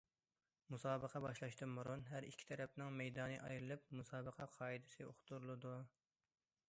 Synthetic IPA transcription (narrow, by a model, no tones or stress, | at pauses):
musɑːbəqʰɑbɑʃlˠɑʃt̪ɨmuɾunɦæɾḭkʲʰːi̥t̪ʰɛɾɛp̚nɪŋmɛjd̪ɑːnɨʔɑ̰jɾɨlˠɨp̚musɑːbəqʰɑqʰɑːid̪ɪsɨo̰χt̪ʰuɾlˠɨd̪u